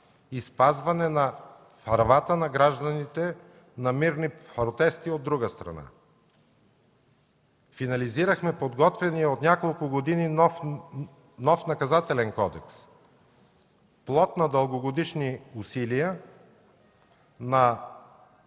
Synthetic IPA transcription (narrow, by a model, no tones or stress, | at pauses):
ispazvɐnɛnɐ | pɐɾvat̪ənɐɡɾaʒd̪ɐnit̪ɛ | nɐmiɾnipɾot̪ɛst̪iod̪ːɾuɡəst̪ɾɐ̰na̰ | finɐliziɾəxmɛpod̪ɡɔt̪vɛniɛot̪nʲjakolˠkʊɡod̪inin | nɔfnɐkɐzat̪ɛlɛnkɔd̪ɛks | plˠɔt̪nɐd̪əlˠɡoɡod̪iʃniusilijə | nɐ